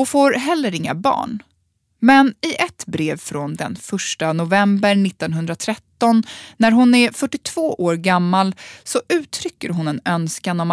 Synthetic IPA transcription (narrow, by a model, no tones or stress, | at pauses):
ɔfoːɾɦɛlːəɾɪŋːa̰bɑ̰ːɳ | mɛnɪʔɛt̪bɾeːvfɾɔnd̪ɛ̰nfœʂʈanʊvɛmbəɾɳɪt̪ːɔnɦɵnd̪ɾat̪ʰɾɛt̪ːɔnːæɾɦʊnæɾfœʈːɪt̪ʰv̥oːʔoːɾɡamːalsɔʔʉ̟ːt̪ʰɾʏkːəɾɦʊnɛnœnskanɔma